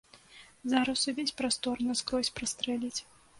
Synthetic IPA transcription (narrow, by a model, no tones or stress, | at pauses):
zaɾɐsuvʲesʲpɾast̪ɔrnɨskɾɔsʲpɾɐst̪ɾɛlʲit͡sʲ